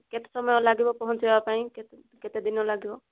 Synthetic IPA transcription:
ket̪e̥sɔmɔjɔlaɡibɔpɔɦɔnt͡ʃʰibebapaĩke | ket̪ed̪inɔlaɡibɔ

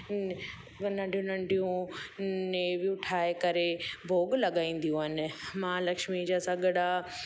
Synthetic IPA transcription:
nɐ̃ɳɖijũnɐ̃ɳɖʱijũ | nebiʊʈʰaːekɐɾebʱoːɡlɐɠaːĩːn̆d̪ijũaːnɪ̆mãːlɐkʃmid͡ʑasɐɡəɽa

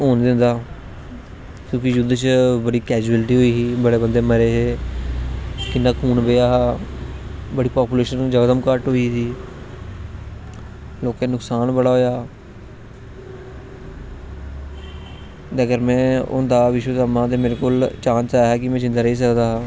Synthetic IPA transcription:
ɦoːnd̪ɪ̃nd̪aː | kjõːkɪd͡ʒʊd̪t͡ʃbəɽiːkɛːd͡ʒuəlʈiːɦoːiːsiːbəɽeːbənd̪eːməɾeːɦeː | kɪnːaːkʰuːnbeːaːɦaː | bəɽiːpaːpuːleːʃənd͡ʒəɡd̪əmkəʈɦoːiːsiː | loːkẽːnʊksaːnbəɽaːɦoːjaː | t̪əɡəɾmɛ̃ːʊ̰nd̪aːʋɪʃwəd̪aːmãːt̪̬eːmeːɾekoːlt͡ʃãːnsaːɦɛːkɪmɛ̃ːd͡ʒɪ̃nd̪aːɾəiːs̬əkd̪aːɦaː

